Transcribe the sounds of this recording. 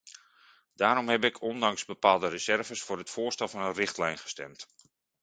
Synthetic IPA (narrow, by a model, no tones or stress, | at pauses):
d̥aːɾɔmɦɛbɪkʰɔndɑŋzbəpaːlˠdərəzɛrvəsfʊːɾɦətfʊːstɛlˠvɑnənrɪχtlɛjnχə̥stɛ̰mt